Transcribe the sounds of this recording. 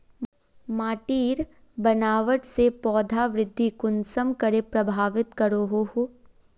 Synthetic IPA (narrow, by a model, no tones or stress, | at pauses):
maːʈiːɾ | bɐnaːʋəʈsepɔːd̪ʱaʋɾɪd̪ʱːikʊnsəmkəɾepɾɐbʱaːʋɪt̪kɐɾoːɦohũ